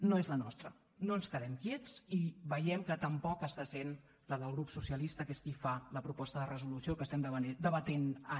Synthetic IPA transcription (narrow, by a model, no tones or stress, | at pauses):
noezlənɔst̪ɾə̰ | noənskəðɛmkjet͡siβəjɛmkət̪əmpɔkəst̪asen | ləðəlˠɣɾupsusiəlist̪əkeskifaləpɾupɔst̪əðərəzulusijokəst̪ɛmd̪əd̪əβət̪enə